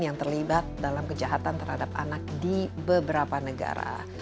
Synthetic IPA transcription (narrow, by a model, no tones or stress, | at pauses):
jaŋt̪ərlibat̪̚dalamkəd͡ʒaɦat̪ant̪ərhadap̚a̰nak̚dibəbəɾapanəɡa̰ɾa̰a̰